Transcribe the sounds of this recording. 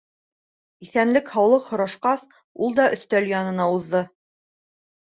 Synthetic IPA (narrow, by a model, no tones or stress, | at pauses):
iθænlɘkhɑwlˠɤqhŏɾɑʃqɑs | ulˠd̪ɑʔɵ̆θt̪æljɑnɤ̆nɑuðːɤ